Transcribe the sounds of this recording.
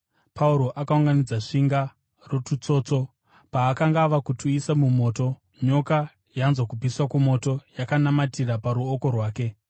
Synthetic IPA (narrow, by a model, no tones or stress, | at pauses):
pʰauɾo̞ʔakauŋɡanid͡zaʂiŋɡa | rotut͡so̞ːt͡so̞ | paːkaŋɡaʋakutʰuisamumo̞ːto̞ | ɲo̞ka | janzwokubʱiswakumo̞to̞jakanamatirapaɾuoko̞rwaːke̞